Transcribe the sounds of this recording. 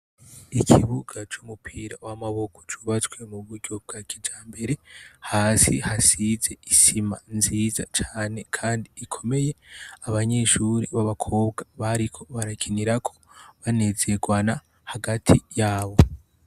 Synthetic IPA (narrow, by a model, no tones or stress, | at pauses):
ikʰiβuɡat͡ʃumupʰiːɾa̰wamaβo̞kʰo̞̥t͡ʃuβat͡skwe̞muβuɟɟo̞b̚ɡakʰid͡ʒaːmbe̞ɾe̞haːsihasize̞isimanziːzat͡ʃaːne̞kʰaːndiːkʰo̞me̞je̞aβaɲe̞ʃuɾiβaβakʰo̞ːbɡaβaɾikʰo̞βaɾakʰiniɾakʰo̞̥βane̞zeɡwana | haɡatʰijaːβo̞